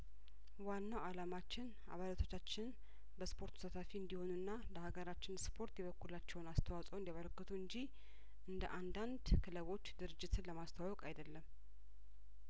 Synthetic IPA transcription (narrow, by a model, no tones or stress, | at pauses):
wanːawalamat͡ʃːɪn | a̰βalat̪ʰo̞t͡ʃːat͡ʃːɪn | bəspʰo̞ɾt̪ʰu̥sat̪ʰafiɨnd̪iho̞nuɨnːaləhaɡəɾat͡ʃːɪnspʰo̞ɾt̪jɛβəkːulat͡ʃːɛwnast̪ʰəwasʼwɨnd̪jaβəɾəkːɨt̪ʰuɨɲd͡ʒi | ʔɨnd̪əʔand̪and̪kʰɨləβo̞t͡ʃːd̪ɨɾɨd͡ʒːɪt̪ʰɨnləmast̪ʰawawɔkʼajd̪əlːəm